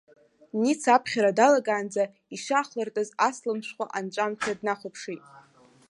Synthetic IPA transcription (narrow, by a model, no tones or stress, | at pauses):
nit͡sʰapʰχʲaɾadalaɡʼaːnd͡za | iʃaːχlartʼɨzaslɨmʃʷᶣχʷaʔant͡ʃʷʼamt͡ʃʰadnaχʷʊpʰʂitʼ